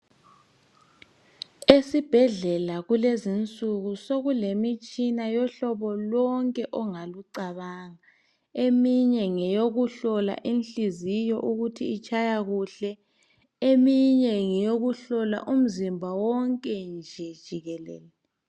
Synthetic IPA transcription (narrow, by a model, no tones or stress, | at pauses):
esib̥ʱɛɮɛlaɣulezint͡sʼuɣusoɣulemit͡ʃʼinajɔɬɔβɔlɔŋkʼɛʔɔŋaluǀaβaːŋa | emiɲɛŋɛjoɣuɬɔla̰ʔinɬizijɔʔuɣutʰiːt͡ʃʼajaɣuɬɛ | emiɲɛŋɛjoɣuɬɔla̰ʔum̩zimbʱawɔŋkʼɛnd͡ʒʱɛd̥ʒ̥ʱiɣɛlɛ̰ːlɛ